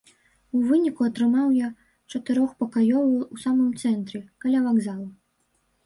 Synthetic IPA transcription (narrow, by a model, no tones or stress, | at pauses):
uvɨnʲikuɐt̪ɾɨmawja | t͡ʂɐt̪ɨɾɔxpɐkajɔvɐwusamɨmt̪sɛnt̪ɾʲɛkalʲavaɡzalˠu